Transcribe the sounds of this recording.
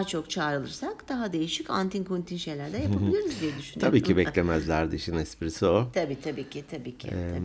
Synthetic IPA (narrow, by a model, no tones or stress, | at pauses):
t͡ʃʰo̞kt͡ʃʰaːɾɯlˠɯɾsakd̪̥aɦad̪e̞jiʃicant̪ʰinkʰunt̪ʰinʃe̞jlʲæɾd̪ɛjapailʲiɾuzd̪ijɛd̪yʃynʰabiːcʰibɛlʲemæzlʲæɾd̪iiʃinɛspiɾisiot̪ʰabiːt̪ʰabiːcʰɪt̪ʰabiːcʰɪ̰ɛ